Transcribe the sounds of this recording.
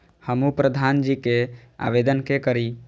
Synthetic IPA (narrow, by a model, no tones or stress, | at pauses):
həmupɾəd̪ʱaːnd͡ʒiːkea̰ːʋeːd̪ənkekəɾiː